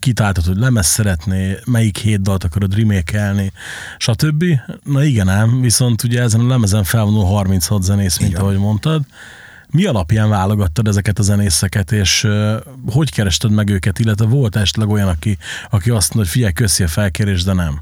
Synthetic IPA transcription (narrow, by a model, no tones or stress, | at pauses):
kit̪aːlt̪ot̪hoɟʲlɛmɛsːɛɾɛt̪neːmɛjikheːt̪̚d̪ɒlt̪ɒkɒɾod̪rimeːkɛlni | ʃɒt̪øbːinɒiɡɛnɛmviso̞nt̪uɟɛɛzɛnɒlɛmɛzɛɱfɛlvo̞nulɦɒrmint̪shɒt̪zɛneːsmint̪ɒɦo̞ɟmo̞nt̪ɒd̪ | miɒlɒpjaːɱvaːlo̞ɡɒt̪ːɒd̪ɛzɛkɛt̪ɒzɛneːsɛkɛt̪eːʃ | ho̞ckɛɾɛʃt̪ɛd̪mɛɡøːkɛt̪ilːɛt̪ʋɛvo̞lt̪ɛʃɛ̥t̪lɛɡo̞jɒnɒkiɒkiɒst̪moocʲfiɟɛjkøsiɒfɛlkeːɾeːʒd̪ɛnɛm